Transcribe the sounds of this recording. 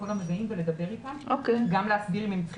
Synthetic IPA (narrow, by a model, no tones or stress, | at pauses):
oɡamlebeimveled̪abe̞ʁitamʔokeɡamleasbilmimt͡sχ